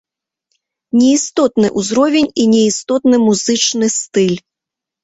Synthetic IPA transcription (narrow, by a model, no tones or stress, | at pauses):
nʲɛist̪ɔt̪nɨʔuzɾɔvʲɛnʲinʲɛist̪ɔt̪nɨmuzɨt͡ʂnɨst̪ɨlʲ